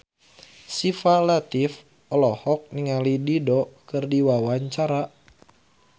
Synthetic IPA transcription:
sifalat̪if | ɔlɔhɔk̚niŋalididɔkɨrdiwawaɲt͡ʃaɾa

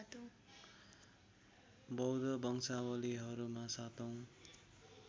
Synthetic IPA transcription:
t̪ | bʌwd̪ʌbʌŋsawʌliɦʌɾumasat̪ʌw̃

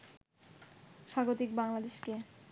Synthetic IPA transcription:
ʃaɡot̪ik̚baŋlad̪eʃke

